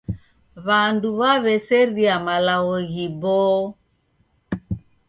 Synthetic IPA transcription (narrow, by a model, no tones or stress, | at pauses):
βanduβaβɛsɛɾiamalaɣɔɣibɔː